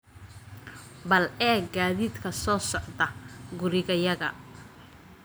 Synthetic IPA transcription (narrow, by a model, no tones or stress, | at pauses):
bɐlɛːɡaːðiːd̪kʰɐsɔːsɔʕðɐɡʊɾɪɣɐjɐɣɐ